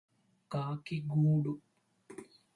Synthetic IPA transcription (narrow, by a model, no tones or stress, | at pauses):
ɡaːkiɡuːɖu